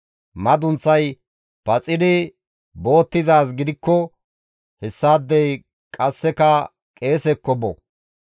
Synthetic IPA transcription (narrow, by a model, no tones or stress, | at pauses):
mɐd̪ʊnt͡sːɐj | pɐt͡sʼɪd̪ɪ | bo̞ːt̪ːɪzaːs̬ɡɪd̪ɪkːɔ | hɛsːaːd̪ːɛj | kʼɐsːɛkɐ | kʼe̞ːsɛkːɔbɔ̰